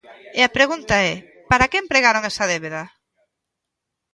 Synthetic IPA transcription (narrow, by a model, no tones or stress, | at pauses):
eapɾeɣunt̪aɛ | paɾakempɾeɣaɾoŋɛsɐðeβeðɐ